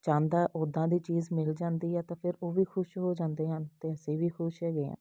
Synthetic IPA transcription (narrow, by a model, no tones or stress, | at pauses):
t͡ʃãːnd̪aːʔoːd̪ãːd̪iːt͡ʃiːzmɪld͡ʒãːnd̪iːɦɛːt̪ãːpʰɪɾoːʋiːkʰʊʃɦoːd͡ʒãːnd̪eːɦənt̪eːəseːʋiːkʰʊʃɦɛːɡeːã̰ː